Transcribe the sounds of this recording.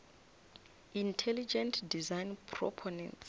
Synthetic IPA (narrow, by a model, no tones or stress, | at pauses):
intʰɛlid͡ʒɛ̃ntdizajnpʰrɔ̰pʰɔnɛ̰̃nts